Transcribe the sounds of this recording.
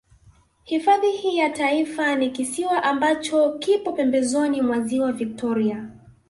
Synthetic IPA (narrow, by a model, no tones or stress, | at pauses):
hifaðihiːjataifanikisiwaʔambat͡ʃɔkipɔpɛmbɛzɔnimwaziwavik̚tɔɾia